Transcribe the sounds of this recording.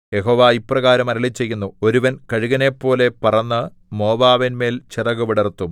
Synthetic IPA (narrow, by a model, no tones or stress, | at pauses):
je̞ɦo̞ːʋaːipːrɐɣaːɾɐmɐɾɐlit͡ɕːe̞jːunːuo̞ɾuʋɐnkɐɻuɣɐne̞pːo̞ːle̞pɐrɐnːɨ | mo̞ːʋaːʋinme̞ːlt͡ɕirɐɣuʋiɽɐrt̪ːum